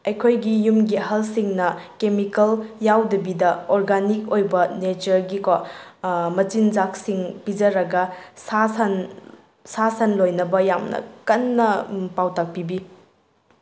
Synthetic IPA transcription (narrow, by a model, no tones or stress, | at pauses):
ɐjkʰojɡijumɡiɦɐlsiŋnɐkemikɐljawdɐbidɐɔɾɡanik̚ojbɐnet͡ʃɐɾɡika | mɐt͡ʃind͡ʒak̚siŋpid͡ʒɐɾɐɡɐsasɐn | sasɐnlojnɐbɐjamnɐ̰kɐnːɐpawtak̚pibi